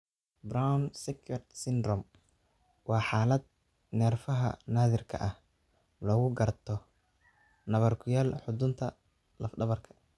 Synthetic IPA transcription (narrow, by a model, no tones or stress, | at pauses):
brawnsɪkʰɐrsɪnd̪rɔm | wɑːħaːlɐd̪̚ | nɛːrfɐɦɐ̰naːðɪrkʰɐ̰ʔɐh | lɔːɣʊɡɐrt̪ʰɔ | nɐβɐrkʰʊjaːlħʊd̪ʊnt̪ʰɐ | lɐfɖɐβɐrkʰɐ̥